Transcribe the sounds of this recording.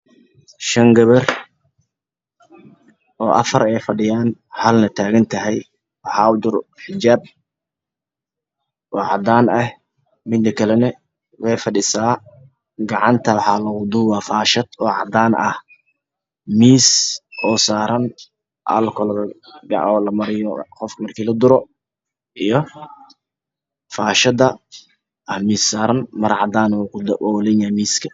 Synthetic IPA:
ʃɐŋɡɐβɐr | ʔɔːʔɐ̰fɐɾɛjfɐɖɪjaːnhɐlnɐt̪ʰaːɣɐnt̪ʰɐɦɛj | wɑħɑːʊd̪ʊɾħɪd͡ʒaːb̚ | ʔɔːʕɑd̪aːnɐh | mɪd̪ːɐkʰɐlɛnɐ | wɛjfɐɖɪsaː | ɡɑʕɑnt̪ʰɐwɑħɑːlɐwʊd̪ʊwɑːfaːʃɐd̪̥ɔːʕɑ̰d̪aːnʔɐ̰h | miːsʔɔːsaːɾɐn | ʔɐ̰lkʰɔlɐɡɑ̰ɔːlɐmɐɾɪjɔqɔfkʰɐmɐrkʰiːlɐd̪ʊɾɔ | ʔijɔ | faːʃɐd̪ɐ | ʔɐhmiːsːaːɾɐnmɐɾʕɑ̰d̪aːnwkʊd̪wɔːlɛnamiːskʰɐ̥

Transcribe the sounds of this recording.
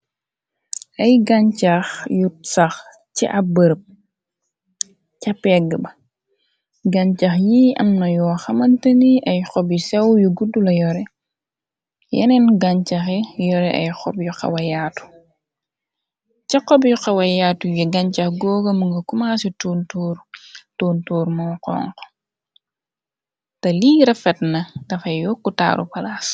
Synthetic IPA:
ʔɐjɡaɲcaxjutsax | ciʔɐbəɾp̚ | cɐpɛɡəbɐ | ɡaɲt͡ʃaxjiːɐ̰mnɐjɔːxɐmɐntɐniʔɐjxɔbisɛwjuɡudːulɐjɔɾɛ | jɐ̰nɛnɡaɲt͡ʃaxɛjɔɾɛʔɐ̰jxɔbjuqɐ̰wɐjaːtu̥ | t͡ʃɐqːɔbjuqɐwɐjaːtujiɡɐɲcɐxɡɔːɡɐmuŋɡɐkumaːsituntuːɾtoːntuːɾmɔːqɔ̰ːŋqɔ̥ | tɐliːɾɐfɛtnɐdɐfɐjjɔkːuta̰ːɾṵpɐlas

